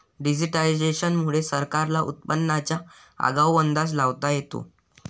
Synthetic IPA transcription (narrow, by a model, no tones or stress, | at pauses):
ɖid͡ʑiʈaid͡ʑeɕənmuɭesəɾkaɾlaʔṵt̪̚pənːat͡ɕja | a̰ɡawʋənd̪as̬laʋt̪ajet̪o̰